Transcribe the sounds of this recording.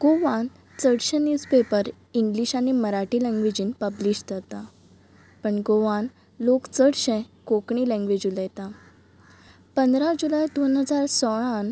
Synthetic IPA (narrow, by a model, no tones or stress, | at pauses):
ɡ̥oʋãn | t͡səɽɕẽnjuspepəɾ | iŋɡliɕaniməɾaʈilɛ̃ŋɡʋed͡ʑiːnpəbliɕt̪ət̪a | pəɳɡoʋan | lokt͡səɽɕɛ̃kokɳ̃iːlɛ̃ŋɡʋed͡ʑuləjt̪a | pənd̪ɾad͡ʑulajd̪onɦəd͡zaɾsɔɭ̃an